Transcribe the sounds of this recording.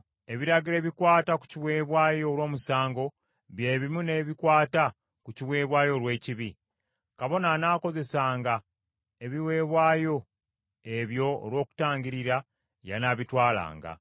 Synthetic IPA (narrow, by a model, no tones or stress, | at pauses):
e̞βiɾaɡile̞ːβikwaːtaku̥ciwe̞ːβwaːjo̞ːlwo̞ːmusaːŋɡo̞ | βje̞ːβimune̞ːβikwaːta | kuciwe̞ːβwaːjo̞lwe̞ːciβi | kaβo̞nanaːko̞ze̞saːŋɡa | e̞βiwe̞ːβwaːjo̞ | e̞βjo̞̰ːlwo̞ːku̥taːɲɟiɾiɾa | ja̰naβitwaːla̰ːŋɡa̰